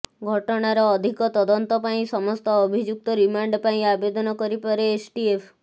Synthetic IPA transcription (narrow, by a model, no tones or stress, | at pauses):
ɡʱɔʈɔɽ̃aɾɔːd̪ʱikɔt̪ɔd̪ənt̪ɔpaĩsɔmɔst̪ɔːbʱid͡ʒuk̚t̪ɔɾimaɳɖpaĩabed̪ɔnɔkəɾipəɾeːsʈiefʰ